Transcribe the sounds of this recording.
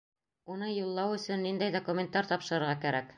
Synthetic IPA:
unɤjulˠːɑwɵ̆sɵnːind̪æjd̪okumʲent̪ɑɾt̪ɒpʃɤ̆ɾɤ̆ɾʁɑkæɾæk

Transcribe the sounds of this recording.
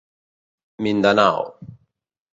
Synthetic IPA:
mind̪ana̰w

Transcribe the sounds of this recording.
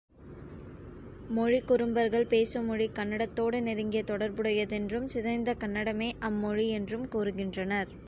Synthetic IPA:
mɔɻikːʊɾɯmbɐɾɣɐɭpeːsɯmɔɻikɐnːɐɽɐt̪ːoːɽɯnɛɾɯŋɡɪjɐt̪ɔɽɐɾbɯɽɐjɐðɛndrɯmsɪðɐɪnd̪ɐkɐnːɐɽɐmeːʔɐmːɔɻiɛndrɯmkuːɾɯɣɪndrɐnɐɾ

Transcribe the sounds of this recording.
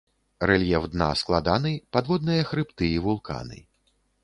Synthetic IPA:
rɛlʲjɛfd̪na̰sklˠad̪anɨpad̪vɔd̪̚nɨjɐxɾɨpt̪ɨivulˠka̰nɨ̰

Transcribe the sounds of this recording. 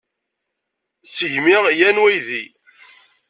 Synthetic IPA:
səʝmiʁjænwæjði

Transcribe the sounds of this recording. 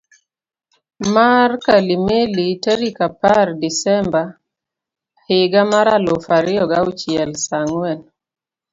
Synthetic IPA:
markalimeliteɾikapardisɛmba | hɪɡamaɾalofaɾɪɔɡaut͡ʃɪɛlsaŋwɛn

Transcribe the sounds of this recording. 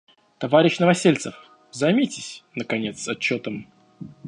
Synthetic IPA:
t̪ɐvaɾʲɪɕnəvɐsʲelʲt̪səf | zɐjmʲitʲɪsʲnəkɐnʲet̪sɐt͡ɕːo̞t̪əm

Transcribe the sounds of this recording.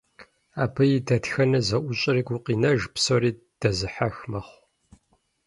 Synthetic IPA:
aːpʰɐjidɐtxɐnɐzɐʔʷʊɕʼɪriːɡʷuqiːnɐʒpsoɾiː | d̥ɐzɨħaxmɐχʷ

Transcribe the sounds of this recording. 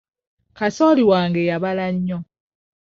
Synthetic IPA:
kasoːliwaːŋɡejaβalaɲːo

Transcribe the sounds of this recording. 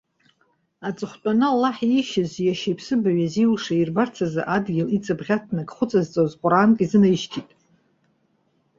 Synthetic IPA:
at͡sʼɨχʷt͡pʷʼanɨlːaħiʃazjaʃejpʰsɨbaɥaziuʂairbart͡sʰaza̰ʔadɡʲɪlit͡sʼɨbʁʲatʰnakʼχʷʊt͡sʼazt͡sʼazqʷʼʊɾaːnkʼizɨnaʃtʰitʼ

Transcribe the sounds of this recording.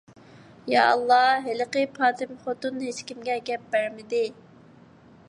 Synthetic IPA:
jɑ̰ɑ̰lˠːɑɦelɪqəpʰɑːt̪ʰɪmχot̪unɦet͡ʃkʲimɡʲɛɡʲɛp̚b̥æɾmɪd̪ɪ

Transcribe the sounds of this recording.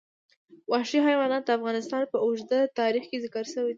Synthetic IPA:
wɑʃiɦajwɑnɑt̪̚d̪əafɣɑnɪst̪ɑnpəʊʒd̪at̪ɑɾixkezɪkɑɾʃəwi

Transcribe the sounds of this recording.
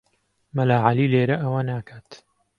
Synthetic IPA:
mɐlaːʕalileːɾɐʔɐwɐnaːkʰaːt̪

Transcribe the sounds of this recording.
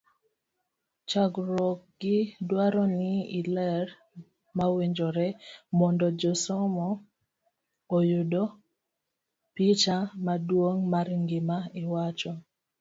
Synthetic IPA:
t͡ʃaɡɾɔk̚ɡɪdwaɾɔnɪɪlɛɾ | maweɲd͡ʒɔɾɛmɔndɔd͡ʒɔsɔmɔ | ojʊdo | pit͡ʃamadwoŋmaɾŋɡɪmaɪwat͡ʃɔ

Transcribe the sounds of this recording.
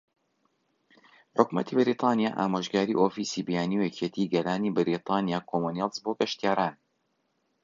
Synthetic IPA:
ħʊkmɐ̰t̪ʰibɪɾiːt̪ʰˤɑːnija̰ːʔa̰ːmoʒɡaːɾḭʔoːfisibijaːniwjɛcʰet̪ʰiːɡɐlaːnibɪɾit̪ʰˤɑːnijaːkʰomonjalˠzboɡɐʃt̪ijaːɾaːn

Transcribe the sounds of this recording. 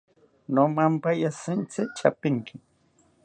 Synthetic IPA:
nomampajasɪnt͡sɪt͡ʃapɪŋkʰɪ

